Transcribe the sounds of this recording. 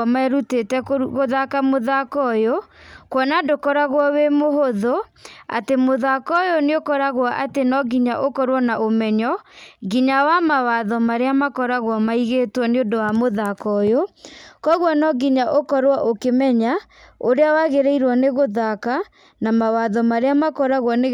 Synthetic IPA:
maɛɾutetɛoɣoðakamoðakɔjokwɔnadokɔɾaɣwɔwemoɦoðoa̰temoðakɔjoneokɔɾaɣwaʔatenɔɡiɲaʔokɔɾwɔnaʔomɛɲɔɡiɲawamawaðɔmaɾeamakɔɾaɣwɔmaiɣeːtwɔneondowamoðakɔjokɔɣwɔnɔɡiɲaʔokɔɾwaʔokemɛɲa | oɾeawaɣeɾɛiɾwɔneɣoðaka | namawaðɔmaɾeamakɔɾaɣwɔne

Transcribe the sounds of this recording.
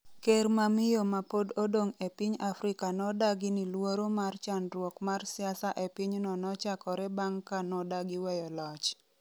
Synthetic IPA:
kermamɪjomapododoŋepiɲafɾɪkanɔdaɡɪnɪlwoɾomart͡ʃanɾwɔkmarsɪasaʔepɪɲnɔnɔt͡ʃakɔɾɛbaŋkanɔdaɡɪwɛjɔlɔt͡ʃ

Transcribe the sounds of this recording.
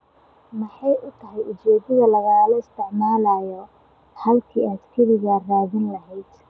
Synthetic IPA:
mɐħɑjʊt̪ʰɐɦɛjʊt͡ʃɛːd̪ɐðɐlɐɣaːlɔɪst̪ʰɪʕmaːlajɔ | ħɐlkʰiːʔɐd̪kʰɐɾɪɣaraːðɪnlɐɦɛjd̪̥

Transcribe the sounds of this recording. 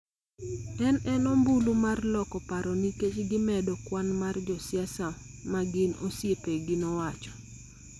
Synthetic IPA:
ɛnɛnɔmbulumarlɔkɔpaɾɔniket͡ʃɡɪmɛdɔkwanmard͡ʒɔsjasa | maɡɪno̰sjepeɡɪnɔwat͡ʃɔ̥

